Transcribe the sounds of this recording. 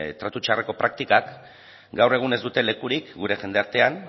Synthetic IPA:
t̪ɾat̪ut͡ʃareko̞pɾak̚t̪ikak | ɡawre̞ɣ̞une̞zd̪ut̪e̞le̞kuɾikɡuɾe̞ʝe̞nd̪e̞aɾt̪e̞an

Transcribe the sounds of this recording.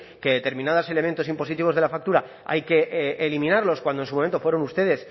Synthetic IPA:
ke̞ðe̞t̪e̞ɾmĩnaðose̞le̞ment̪o̞simpo̞sit̪iβ̞o̞zðe̞lafak̚t̪uɾa | a̰jke̞ʔelimĩnaɾlo̞skwand̪onsumoment̪ofwe̞ɾonust̪e̞ðe̞s

